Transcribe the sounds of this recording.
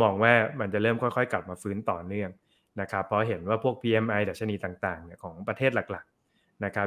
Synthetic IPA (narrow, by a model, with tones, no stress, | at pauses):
mɔː˧ŋwaː˥˩ma˧nt͡ɕa˨˩ɾɤː˥˩mkʰɔ˥˩jkʰɔ˥˩jkla˨˩p̚maː˧fɯː˦˥nt̪ɔː˨˩nɯ˥˩əŋ | na˦˥kʰa˦˥pʰːɾɔ˦˥ɦe˩˦nwaː˥˩pʰu˥˩ək̚pʰiː˧ʔe˧mʔa˧jdaː˨˩t̚t͡ɕʰa˧niː˧t̪aː˨˩ŋt̪aː˨˩ŋni˧˩ɐkʰɔː˩˦ŋpɾa˧t̪ʰeː˥˩t̪̚la˨˩k̚la˨˩k̚ | na˦˥kʰa˦˥